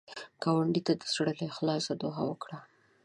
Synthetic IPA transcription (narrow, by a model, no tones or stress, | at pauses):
ɡ̥ɑwaɳɖit̪ad̪əsɽəlexlɑsad̪oɦa̰wəkɽa